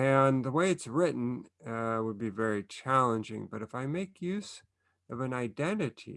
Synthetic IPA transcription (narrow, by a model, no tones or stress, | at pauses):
ɨ̃nðəweɪɨtsɹɪʔn̩ | wəd̚bivɛɹit͡ʃʰælˠə̃nd͡ʒɪ̰̃ŋbʌɾɨfaɪmeɪkʰjʉz | ʌvɨ̃naɪdɛ̃nɨɾḭ